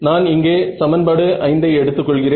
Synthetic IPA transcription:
naːnɪŋɡeːsɐmɐnbaːɽɯʔɐɪnd̪ɐɪɛɽɯt̪ːɯkːɔɭɣɪreː

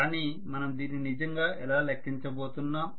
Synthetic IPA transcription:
aːnimɐnɐmd̪iːnːinid͡ʒɐŋɡaːʔɛlaːlɐkʰːiɲt͡ʃɐbo̞ːt̪unːɐ

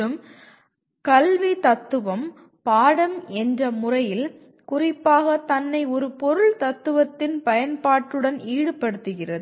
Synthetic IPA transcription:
ɯm | kɐlʋit̪ɐt̪ːɯʋɐm | paːɽɐmɛndrɐmʊrɐjɪl | kʊrɪpːaːɣɐt̪ɐnːɐɪɔɾɯpɔɾɯɭt̪ɐt̪ːɯʋɐt̪ːɪnpɐjɐnpaːʈːɯɽɐniːɽɯpɐɽɯt̪ːɯɣɪrɐð

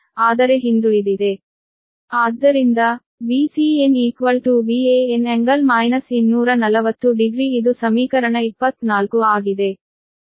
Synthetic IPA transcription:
aːd̪ɐɾe̞ɦind̪uɭid̪id̪e̞ | aːd̪ːɐɾind̪ɐ | ʋisieniːkʋɐlʈuʋiːeeneŋɡɐlmɐjnɐsinːuːɾɐnɐlɐʋɐt̪ːuɖiɡɾiːd̪usɐmiːkɐɾɐɳɐipːɐt̪ːnaːlkuaːɡid̪e̞

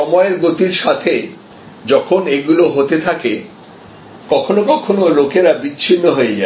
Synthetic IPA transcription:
ɔmɔeɾɡot̪iɾʃat̪ʰe | d͡ʑɔkʰoneɡuloɦot̪et̪ʰake | kɔkʰonokɔkʰonolokeɾabit͡ɕːʰinːoɦoed͡ʑa

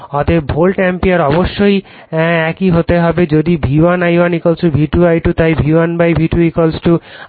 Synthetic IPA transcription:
ɔt̪ebʱolʈɛmpiaɾɔboʃːoj | ɛkiɦot̪eɦɔbed͡ʑod̪ibʱiwanajwanikolsʈubʱiʈuajʈut̪ajbʱiwanbajbʱiʈuikolsʈu

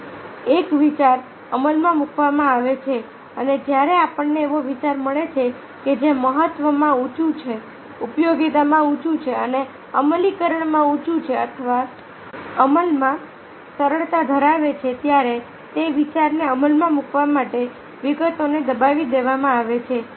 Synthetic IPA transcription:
ekʋit͡ʃaɾ | əməlmãmukʰʋamãaʋet͡ʃʰe | əned͡ʒjaɾeapəɳnːeːʋoʋit͡ʃaɾməɭet͡ʃʰe | ked͡ʒeməɦət̪ʋəmãut͡ʃũt͡ʃʰe | upjoɡit̪amãut͡ʃũt͡ʃʰeəne | əməlikəɾəɳmãut͡ʃũt͡ʃʰeət̪ʰəʋa | əməlmã | səɾəɭt̪ad̪ʱəɾaʋet͡ʃʰet̪jaɾe | t̪eʋit͡ʃaɾneəməlmãmukʋamaʈe | ʋiɡət̪oned̪əbaʋid̪eʋamãaʋet͡ʃʰe

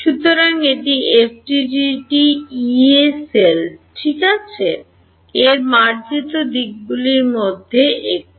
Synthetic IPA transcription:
ʃut̪oɾaŋeʈiefʈiɖiʈiieselʈʰikat͡ɕʰe | eɾmaɾd͡ʑit̪od̪ik̚buliɾmod̪ʱːeʔek̚

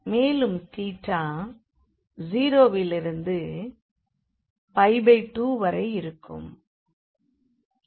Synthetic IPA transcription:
meːlɯmt̪iːʈrːãː | ziːɾoːʋɪlɪɾɯnd̪ɯ | pɐɪbɐɪʈːuːʋɐɾɐɪɪɾɯkʰːɯ̰m

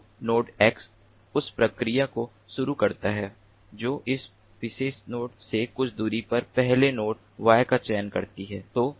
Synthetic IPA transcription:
noːʈɛːks | ʊspɾɐkɾijako | ʃʊɾukɐɾt̪aɦɛː | d͡ʒoːʔɪs | pɪʃeːsnoːʈsekʊt͡ʃʰd̪uːɾipɐɾpɛɦlenoːʈ | ʋaːjkat͡ʃɛːənkɐɾt̪iɦɛːt̪oː

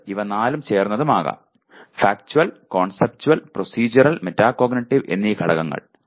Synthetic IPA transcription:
iʋɐnaːlumt͡ɕe̞ːrnːɐðumaːɣa̰ːm | faːk̚t͡ɕuwɐlkoːɳsep̚t͡ɕuwɐlprosiːd͡ʑɐɾɐlmetːaːkoːɡnɐʈːiʋe̞̰nːiːkʰɐɽɐ̰ɣɐŋːɐ̰ɭ

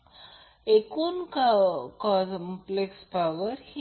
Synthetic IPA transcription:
ekunkakɔmplekspawəɾhi

